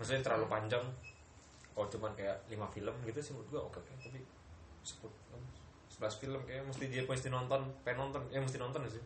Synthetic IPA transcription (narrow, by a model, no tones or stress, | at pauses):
məs̬uɲat̪əɾalupaɲd͡ʒaŋ | kalot͡ʃumankajaʔlimafiləmɡit̪usɪhŋut̪̚ɡaʔokɛkajat̪api | sə̥pʊt̪̚a | səbəlasfiləmkajaməst̪idiapuəs̬t̪inɔnt̪ɔnpajanɔnt̪ɔnjaməs̬t̪inɔnt̪ɔnas̬ɪ